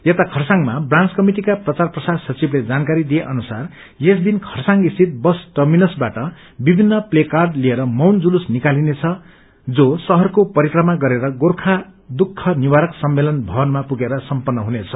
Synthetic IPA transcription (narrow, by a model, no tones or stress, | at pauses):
jet̪akʰʌrsaŋmabrant͡skʌmiʈikaprʌt͡sarprʌsadsʌt͡sibled͡zankaɾid̪ijeʔʌnusar | jesd̪inkʰʌrsaŋɡist̪it̪̚bʌsʈʌrminʌsbaʈʌ | bibʱinːʌplekarɖlieɾʌmʌwnd͡zulusnikalinet͡sʰʌ | d͡zosʌɦʌrkopʌɾikrʌmaɡʌɾeɾʌɡorkʰad̪ukʰːʌniwaɾʌksʌmːelʌnbʱʌbʌnmapuɡeɾʌsʌmpʌnːʌɦunet͡sʰʌ̥